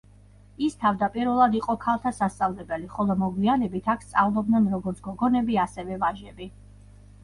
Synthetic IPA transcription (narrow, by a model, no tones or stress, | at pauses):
ist̪ʰavd̪apʼiɾvɛlˠad̪iqʼɔkʰalˠt̪ʰasast̪sʼavlɛbɛliχɔlˠɔmɔɡwianɛbit̪ʰakʰst̪sʼavlˠɔbd̪nɛnɾɔɡɔɾt̪sʰɡ̥ɔɡɔnɛbiasɛvɛvaʒɛbi